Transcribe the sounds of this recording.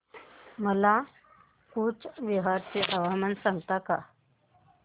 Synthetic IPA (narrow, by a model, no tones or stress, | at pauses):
məla | kuːt͡sʋeɦaɾt͡seʔəʋamənsãŋɡt̪aka̰